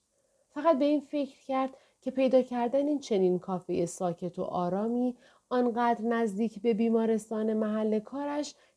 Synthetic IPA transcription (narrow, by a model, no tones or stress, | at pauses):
fæɣæt̪̚be̞iːnfe̞cʰɾ̥cæɾd̪̥ | cʰe̞pʰe̞jd̪ɒːcʰæɾd̪æniːnt͡ʃʰe̞niːnkʰɒːfejesɒːcʰe̞t̪ʰo̰ʔɒːɾɒːmiː | ɒːnɢæːd̪ɾnæzd̪iːcʰbe̞biːmɒːɾe̞st̪ɒːne̞mæɦælːe̞kʰɒːɾæʃ